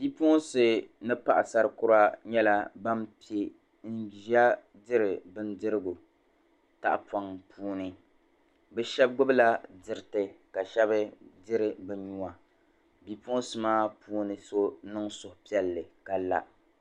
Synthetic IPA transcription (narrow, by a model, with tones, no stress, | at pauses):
bi˦po˦sɨ˨nɨ˦pa˦˨ʔa˨sa˨ɾɨ˦kʊ˦ɾa˦ɲɛ˦la˦ba˦mpi˨˦e˦ | n̩˦ʒa˦ | dɪ˦ɾɨ˨bɨ˦ndɨ˦ɾɨ˦ɡu˨ | ta̰˨ʔpa˨ŋpʰuː˦nɨ˨ | bɛ˦ʃɛ˦b̚ɡʊ˦bla˦dɪ˨ɾɨ˦˨tɨ˨ka˨ʃɛ˦bɨ˦dɪ˦ɾɨ˨bɨ˦ɲu˦a˨ | bi˦po˦sɨ˨maː˦puː˦nɨ˨so˦nɨ˦ŋsʊ˨hpi˦ɛ˦lːɨ˨ka˨la̰˦